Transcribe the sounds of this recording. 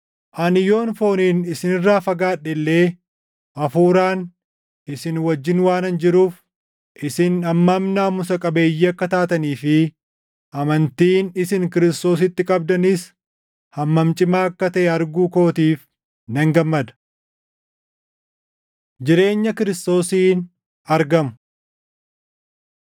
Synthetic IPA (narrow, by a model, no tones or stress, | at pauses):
ʔɐnɪjo̞ːnfo̞ːniːnɪsɪnɪrːaːfɐɡaːᶑɛlːe̞ː | ʔɐfuːɾaːn | ʔɪsɪnwɐd͡ʒːɪnwaːnɐnd͡ʒɪɾuːf | ʔɪsɪnɐmːɐmnaːmʊsɐkʼɐbe̞ːjːiɐkːɐt̪aːt̪ɐniːfɪ | ʔɐmɐnt̪iːnɪsɪŋkɪɾɪst̪o̞ːsɪt̪ːɪkʼɐb̚d̪ɐnɪs | hɐmːɐmt͡ʃʼɪmaːɐkːɐt̪ɐʔɛɐɾɡuːko̞ːt̪iːf | nɛŋɡɐmːɐd̪ɐ̥ | d͡ʒɪɾe̞ːɲːɐkɪɾɪst̪o̞ːsiːn | ɐɾɡɐmʊ